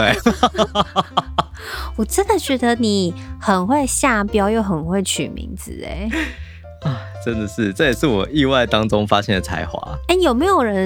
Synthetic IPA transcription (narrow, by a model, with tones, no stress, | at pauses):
t̪we˥˩ | wɔ˨˩ʈ͡ʂə˦˥nd̪ə˨t͡ɕɥɛ˧˥d̪ə˧ni˨˩xə˨˩nxwe˥˧ɪɕja˥˩pjɑ˥ʊjo˥˩ʊxə˨˩nxwe˥˩ɪt͡ɕʰy̰˨˩mḭ˧˥ŋd͡zɹ̩̰˨˦ḛ˦ɪ | ɐ˥˨˩ | ʈ͡ʂə˦nd̪ə˨ʂɻ̩˥˩ʈ͡ʂə˥˩jɛ˨˩ʂɻ̩˥˩wɔ˨˩i˥˧wa˥˩ɪt̪ɑ˦ŋʈ͡ʂʊ˥ŋfa˦˥ɕjɛ˥nd̪ə˨˩t͡sʰa̰˧˥ɪxwa̰˧˥˦a˥˩ɪjo˨˩ʊme˧˥ɪjo˨˩ʊɻə˧˦n